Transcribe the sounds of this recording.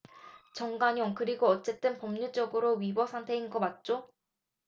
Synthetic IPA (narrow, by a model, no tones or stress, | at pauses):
t͡ɕʌŋɡaɲoŋkɯɾiɡoʌt͡ɕ͈e̞t͈ɯnpʌmɲut͡ɕ͈ʌɡɯɾoɥibʌsʰaŋtʰe̞inɡʌmat̚t͡ɕ͈o